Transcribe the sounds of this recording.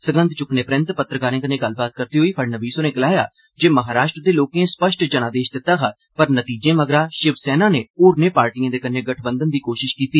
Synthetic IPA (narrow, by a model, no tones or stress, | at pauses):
səɡə̃nd̪t͡ʃʊkneːpɾə̃nt̪pət̪ɾəkaːɾẽːkənẽːɡəlːbaːt̪̚kəɾt̪iːɦoːiːpʰəɽnəʋiːsoːnẽːɡəlaːja̰ː | d͡ʒeːməɦaːɾaːʃʈɾəd̪eːloːkẽːspəʃʈd͡ʒəɽ̃ãːd̪eːʃd̪ɪt̪ːaːɡaː | pəɾnət̪iːd͡ʒẽːʋəɡɾaːʃɪʋsɛːnaːneːoːɾneːpaːɾʈijãːd̪eːkənẽːɡəʈʰbə̃nd̪ənd̪iːkoːʃɪʃkiːt̪iː